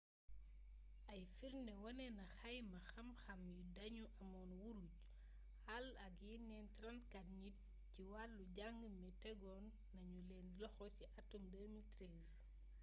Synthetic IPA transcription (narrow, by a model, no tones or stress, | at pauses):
ʔɐjfiɾnɛwɐnɛnɐxɐjmɐxɐmxɐmjudɐɲuʔɐmɔːnwuɾuɟ̚ | hɐlɐɡinɛntrɐntkɐt̚ɲit̚ | ciwalːuɟaŋɡəmɛtɛɡɔnːɐɲulɛːnlɔxɔciʔɐtːumdɛmiltɾɛz